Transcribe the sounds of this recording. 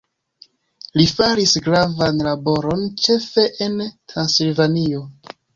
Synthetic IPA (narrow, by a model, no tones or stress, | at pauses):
lifaɾisɡɾavanlabo̞ɾo̞nt͡ʃe̞fe̞ʔentɾansilvanio̞